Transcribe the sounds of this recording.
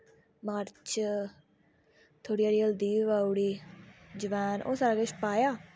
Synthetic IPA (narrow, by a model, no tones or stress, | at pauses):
maːɾt͡ʃ | t̪ʰoːɽiːaːɾiːəld̪iːiʋaːuɽiːd͡ʒəʋaːnʔo̰ːsaːɾaːɡet͡ʃpaːjaː